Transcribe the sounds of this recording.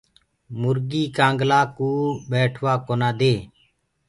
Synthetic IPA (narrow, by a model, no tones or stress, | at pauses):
mʊɾɡiːkãːŋɡlaːkuːbeːʈʰʋaːkoːnaːd̪eː